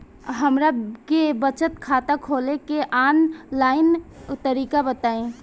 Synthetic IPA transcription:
ɦəmɾakebət͡ʃət̪kʰat̪əkʰolekeʔanlaɪnt̪əɾikabət̪aẽ

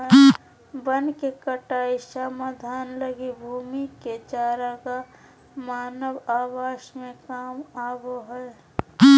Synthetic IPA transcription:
bənkekəʈaːiʃamad̪ʱaːnləɡibʱuːmiket͡ʃaːɾaka | maːnəwaːʋaːʃmẽkaːmaːboɦɛe

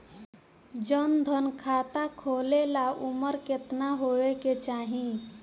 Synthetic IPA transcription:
d͡ʒənd̪ʱənkʰat̪akʰolelaʔuməɾket̪naɦoeket͡ʃaɦĩ

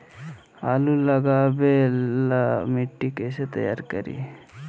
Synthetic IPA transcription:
alulɐɡaːbelamiʈːikeset̪ɐja̰ːɾkɐɾḭ

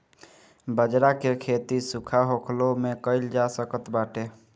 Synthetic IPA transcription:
bəd͡ʒɾakekʰet̪isukʰaɦokʰlomekəɪld͡ʒasəkət̪baʈe

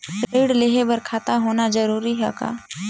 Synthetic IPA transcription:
ʈɾeɖleːɦebəɾkʰaːt̪aɦoːnad͡ʒəɾuːɾiɦɛ̰ka̰ː

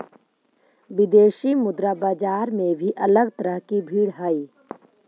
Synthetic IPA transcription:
ʋɪd̪eːʃimʊd̪ɾabaːd͡ʒaːɾmẽbʱiʔɐləɡt̪əɾəɦkibʱiːɽɦəi

